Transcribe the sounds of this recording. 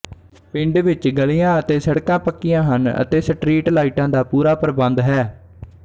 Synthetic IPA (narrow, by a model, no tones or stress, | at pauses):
pɪ̃ɳɖʋɪt͡ʃɡəlijãːət̪eːsəɽkãːpəkːɪjãːɦənə̰t̪eːsəʈɾiːʈlaːiʈãːd̪aːpuːɾaːpəɾəbənd̪ɦɛː